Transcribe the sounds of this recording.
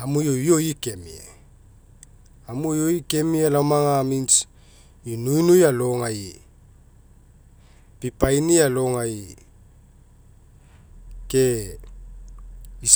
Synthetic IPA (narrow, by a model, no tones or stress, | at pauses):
amujojojikemḭḛ | amujojikemialamaŋamint͡s | inuinujalɔŋai | pipainijalɔŋai | ke | is